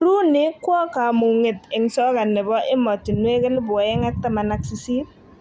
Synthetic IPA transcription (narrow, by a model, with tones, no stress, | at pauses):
ɾu˦nɪ˦kwɔ˦ka˨mu˨ŋɪ˨tɪ˨ŋsɔ˦ka˨nɪ˨bɔ˦ʔɪ˦mɔ˨tːɪ˨nwe˦kɛ˦lbʊ˨ɔ˨ɛ˦ŋa˦k̚ta˦ma˨na˦ksi˦si˦t̚